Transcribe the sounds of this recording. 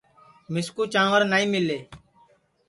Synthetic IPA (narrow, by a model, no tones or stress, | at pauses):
mɪskuːt͡ʃãːʋəɾnaːĩːmɪlːeː